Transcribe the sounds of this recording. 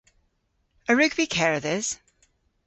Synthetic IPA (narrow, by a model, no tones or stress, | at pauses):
əɹʉɡb̥ikʰɛɹəðɪz̥